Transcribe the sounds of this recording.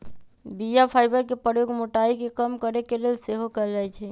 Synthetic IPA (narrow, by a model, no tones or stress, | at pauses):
bijapʰaːɪbəɾkepəɾjoːɡmoʈaikekəmkəɾekelelseɦokəɾd͡ʒaːɛt͡ʃʰɛ